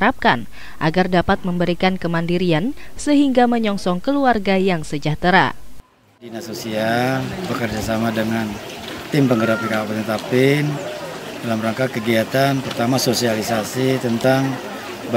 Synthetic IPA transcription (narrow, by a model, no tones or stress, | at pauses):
ɾap̚kan | ʔaɡardapat̪̚məmbəɾikankəmandiɾiansəɦiŋɡaməɲɔŋsɔŋkəluarɡajaŋsəd͡ʒaht̪əɾa̰ | dinasosialbəkərd͡ʒasamadəŋan | t̪ɪmpəŋɡəɾapikapanət̪apɪn | dalamraŋkakəɡiat̪anpərt̪amasosialisasit̪ənt̪aŋ | b